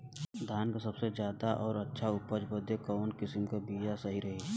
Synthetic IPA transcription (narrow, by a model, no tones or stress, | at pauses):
d̪ʱaːnkasɐbsed͡ʒjaːd̪aʔɔːɾɐtːʃʰaʊpəd͡ʒbəd̪ʱekɔːnkɪsəmkabiːd͡ʒasɐɦiɾɐɦe